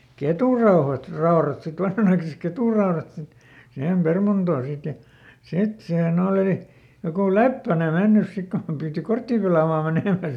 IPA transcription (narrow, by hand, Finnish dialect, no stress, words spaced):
ketuˑrɑuhɑt rɑorɑt sit ʋɑnhɑnɑikɑsek ketuˑrɑorɑt sit sihem permɑntoː sit jɑ sit siːhen oliˑ jokuˑ lepːæne menːys sik kom piːti kortːiˑ pelɑˑmɑː meneˑmæ